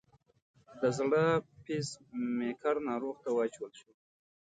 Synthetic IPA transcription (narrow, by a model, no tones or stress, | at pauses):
d̪əzɽəpismekʰaɾnɑɾoɣt̪awɑt͡ʃwəlʃu